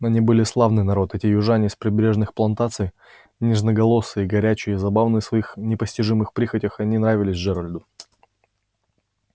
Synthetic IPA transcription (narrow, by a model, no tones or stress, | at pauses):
nɐnʲibɨlʲɪslˠavnɨjnɐɾo̞t̪ɛtʲɪjʊʐanʲɪspɾʲɪbɾʲe̞ʐnɨxplˠɐnt̪at̪sɨj | nʲɪʐnəɡɐlˠo̞sːɨjɡɐɾʲæt͡ɕɪjəizɐbavnɨəsvɐixnʲɪpəsʲtʲɪʐɨmɨxpɾʲixətʲɪxɐnʲinɾavʲɪlʲɪsʲʐɛɾɐlʲd̪ʊ